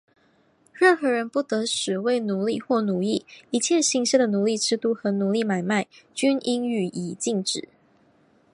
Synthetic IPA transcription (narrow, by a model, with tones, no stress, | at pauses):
ɻə˥˩nxɤ˧˥ɻə˧˥npu˥˩t̪ɤ˧˥˦ʂɻ̩˨˩we˥˩ɪnu˨˧˥li˥˧xwɔ˥˩nu˨˩˦li˥˩i˧˥t͡ɕʰjɛ˥˧ɕi˧˥ŋɕɛ˥˩d̪ə˩nu˨˦li˥˩ʈ͡ʂʰɻ̩˥t̪u˥˩xɤ˧˥nu˨˩˦li˥˩ma˨˩ɪma˥˩ɪt͡ɕy˥nʔi˥ŋy˨˩i˨˩t͡ɕi˥˧ŋʈ͡ʂɻ̩˨˩˦